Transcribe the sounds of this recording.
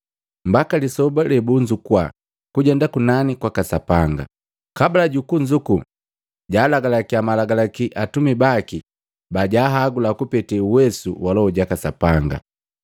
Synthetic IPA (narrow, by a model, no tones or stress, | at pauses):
m̩bakalisɔbalɛbuɲd͡ʒukwa̰ | kuɟɛndakunanikwakasapaŋɡa̰ | kabalaɟukuɲd͡ʒuku | ɟaːlaɡalakiamalaɡalakiʔatumibaki | baɟaːɦaɡulakupɛtɛuwɛsuwalɔɔɟakasapaŋɡa̰